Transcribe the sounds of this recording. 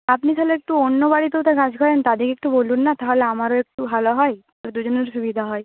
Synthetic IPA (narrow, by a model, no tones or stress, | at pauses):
apnit̪ʰaleek̚ʈuonːobaɽit̪ot̪akad͡ʑkʰɔɾent̪ad̪ekek̚ʈubolunːat̪aɦoleamaɾoek̚ʈubʱaloɦɔj | aɾd̪ud͡ʑoneɾʃubid̪ʱaɦɔe